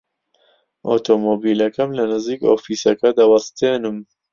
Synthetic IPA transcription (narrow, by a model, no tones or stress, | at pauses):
ʔo̰t̪ʰomoːbiːlɐkɐmlɐnɨziːko̰ːfiːsɐkɐd̪awɐst̪eːnɨm